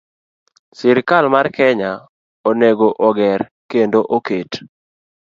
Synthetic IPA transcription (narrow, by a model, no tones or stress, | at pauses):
sɪɾkalmarkɛɲa | oneɡoʔɔɡɛr | kendoʔoket